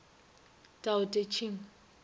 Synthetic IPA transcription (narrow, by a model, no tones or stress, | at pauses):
tʼaʊtʼet͡ʃʰiŋ̩